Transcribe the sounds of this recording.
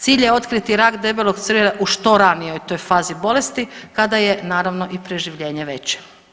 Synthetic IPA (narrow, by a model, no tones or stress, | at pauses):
t̪siːʎjeo̞t̪kɾit̪iɾaːkd̪e̞belˠoɡt̪srleʔuʃt̪o̞ɾanijo̞jt̪ojfaːzibo̞le̞st̪ikad̪aje̞naːɾaʋno̞ʔipɾeʒiʋʎe̞ːɲeʋe̞t͡ɕe̥